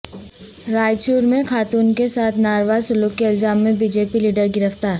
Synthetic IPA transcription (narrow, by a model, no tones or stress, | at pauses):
ɾaːjt͡ʃuːɾmẽxaːt̪uːnkesaːt̪ʰnaːɾʋazsʊluːkːeɐlzaːmːẽbiːd͡ʒeːpiliːɖəɾɡɪɾəft̪aːɾ